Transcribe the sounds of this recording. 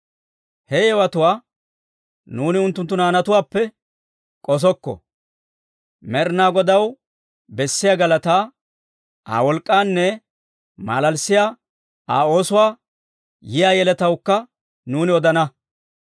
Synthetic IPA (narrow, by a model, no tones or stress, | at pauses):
hɛjɛwɐt̪ʊwaː | nuːnɪʊnt̪ːʊnt̪ːʊnaːnɐt̪ʊwaːpːɛ | kʼɔs̬ɔkːɔ̰ | mɛɾnaːɡɔd̪ɐw | bɛsːɪjaɡɐlɐt̪aː | a̰ːwɔlkʼːaːnːɛ | ma̰ːlɐlsːɪjaː | ʔa̰ːo̞ːsʊwaː | jɪjaːjɛlɛt̪ɐwkːɐ | nuːnɪɔd̪ɐnɐ